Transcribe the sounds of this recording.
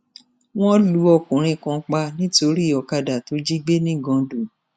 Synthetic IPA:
w̃ɔ̃˦lu˨˦ɔ˧kũ˨ɾ̃ĩ˧kã˧k͡pa˧˦nĩ˦to˧˦ɾi˦˨ɔ˨˧ka˧da˨to˨˦d͡ʒi˦ɡ͡be˦nĩ˦˨ɡɔ̃˧du˨

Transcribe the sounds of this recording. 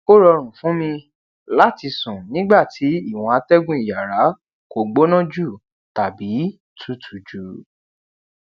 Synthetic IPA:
ko˦ɾɔ˧ɾ̃ũ˨fũ˨˦mĩ˧ | la˦˨ti˧sũ˨nĩ˨˦ɡ͡ba˦˨ti˨˦i˦˨w̃ɔ̃˨˧a˧tɛ˦ɡũ˦i˦˨ja˨ɾa˨˦ | ko˨ɡ͡bo˦nã˦d͡ʒu˦˨ | ta˨bi˨˦ | tʰu˨˦tʰu˨d͡ʒu˨˦

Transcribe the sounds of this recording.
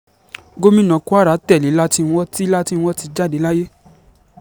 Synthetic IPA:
ɡo˦mĩ˦nã˨ku˦a˦ɾa˨˦tɛ˦˨li˨˦la˦ti˧n̩˧˦wɔ˦ti˦la˦ti˧n̩˧˦wɔ˦ti˧d͡ʒa˦˨de˨˦la˦je˦

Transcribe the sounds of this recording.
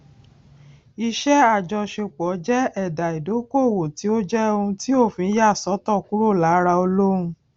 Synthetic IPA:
i˧ʃɛ˦a˦˨d͡ʒɔ˧ʃe˧k͡pɔ˨˦d͡ʒɛ˦ɛ˦˨da˨i˨do˨˦ko˦˨wo˨ti˨˦o˦d͡ʒɛ˦o˧ũ˧ti˦o˦˨fĩ˧˦ja˦˨sɔ˨˦tɔ˦˨ku˦ɾo˦˨la˨˦ɾa˧o˧lo˦ũ˧

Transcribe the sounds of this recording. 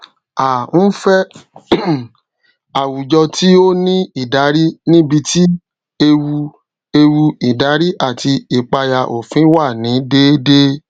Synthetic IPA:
a˨n̩˦fɛ˦ | a˨wu˨d͡ʒɔ˧ti˦o˦nĩ˦i˨da˨˦ɾi˦nĩ˦bi˧ti˦ | e˧wu˧ | e˧wu˧i˨da˨˦ɾi˦ʔa˦˨ti˧i˨k͡pa˧ja˧ʔo̰˨fĩ˨˦wa˦˨nĩ˨˦de˦de˦

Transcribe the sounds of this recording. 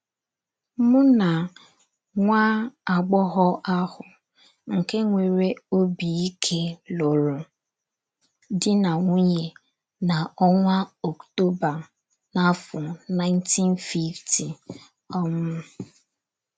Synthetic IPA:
mʊ˦na˨ | ŋʷaː˦a˨ɡ͡bɔ˦ɦɔ˦ʔa˦hʊ˨ | ŋ̩˨ke˦ŋʷe˨ɾe˦o˦bi˨i˦kʰe˦lo˨ɾo˨ | dɪ˦na˨ŋʷu˦ɲe˨ | na˨ɔ˦ŋʷa˦ɔ˨kto˦ba˨ | na˦fʊ˨na˦ɪ˦ntʰi˦n˦fi˦ftʰi˨ | ɔ˦mʊ˦

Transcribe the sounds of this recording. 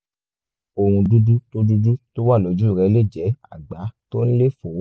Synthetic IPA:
o˧ɾũ˧du˦du˦to˦du˦du˦to˦wa˦˨lɔ˨˦d͡ʒu˦˨ɾɛ˧˦le˦˨d͡ʒɛ˨˦a̰˦˨ɡ͡ba˨˦to˦ñ̩˦le˦˨fo˨˦

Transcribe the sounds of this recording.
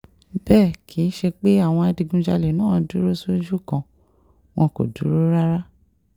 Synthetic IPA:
bɛː˦˨kʰi˨˦ʃe˧k͡pe˦a˦˨w̃ɔ̃˧a˧di˧ɡũ˧d͡ʒa˧le˨nãː˦˨˧du˨˦ɾo˦so˦d͡ʒu˦˨kã˧ | w̃ɔ̃˧ko̰˨du˨˦ɾo˦ɾa˦ɾa˦

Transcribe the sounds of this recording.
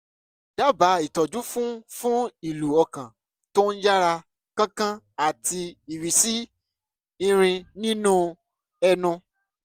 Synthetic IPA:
d̥a˦ba˨˦i˦˨tɔ˨d͡ʒu˨˦fũ˦fũ˦i˨lu˨ɔ˧kã˨ | to˦n̩˦d͡ʒa˦ɾa˧ | kã˦kã˦ | a˨ti˧i˨wi˨si˦ | ĩ˧ɾ̃ĩ˧nĩ˦nũ˦ | ɛ˧nũ˧

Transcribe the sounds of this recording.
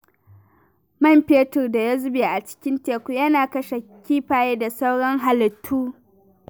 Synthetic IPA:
mɐ˦˨mpeː˦tʊ˨rda˨ja˦zʊ˦beː˨ʔa˨t͡ʃɪ̥˦kʲɪ˦nteː˨kʷu˦jɐ˦naː˨kɐ˦ʃa˨kʲiː˦ɸaː˨jeː˦da˨sa˦wɽɔ˦ŋɦa˨lɪ˨tʰːuː˦

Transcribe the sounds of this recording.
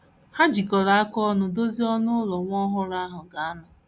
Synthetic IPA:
ha˦d͡ʒi˨kɔ˨ɾa˨˦a˦kɔ˦nʊ˨do˦zi˦ɔ˦nʊ˦lɔ˨ŋʷɔ˦ɦʊ˦ɾa˦ɦʊ˨ɡa˨a˦nʊ˨

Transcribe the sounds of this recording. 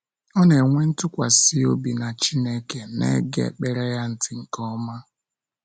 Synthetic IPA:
ɔ˦ne˨ŋʷe˦n̩˦tʊ˦kʷa˨sɪ˦o̰˦bi˨na˨t͡ʃi˦ne˦ke˨nḛ˦ɡḛ˦˨k͡pe˨ɾe˦ja˦n̩˨tɪ˨ŋ̩˨kɔ˦ma˦

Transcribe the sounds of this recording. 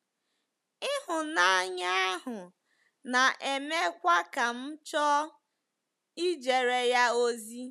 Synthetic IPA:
ɪ˦ɦʊ˨na˦ɲa˦a˦ɦʊ˨ | na˨ʔe˨me˦kʷa˦ka˨m̩˦t͡ʃɔ˦ | i˦d͡ʒe˨ɾe˨ja˦o˦zi˦

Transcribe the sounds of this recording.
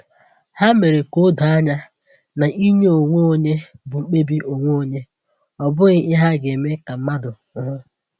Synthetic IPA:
ha˦me˨ɾe˨ko˦dʊ˨a˦ɲa˦ | na˨i˦ɲe˦o˨ŋʷo˦o˦ɲe˦bʊ˨ŋ͡m̩˨k͡pe˦bi˦ʔo˨ŋʷo˦o˦ɲe˦ | ɔ˨bʊ˦ɣɪ˦ɪ˦ɦa˦ɡe˨me˦ka˨m̩˦ma˦dʊ˨˦ɦʊ˦

